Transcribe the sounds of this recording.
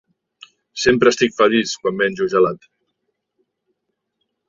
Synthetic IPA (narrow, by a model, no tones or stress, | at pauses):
sempɾəst̪ikfəliskwambɛnʲd͡ʒuʒəlat̪